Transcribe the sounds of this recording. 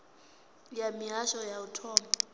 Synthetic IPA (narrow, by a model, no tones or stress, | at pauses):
jamiɦaʃɔjautʰɔːmba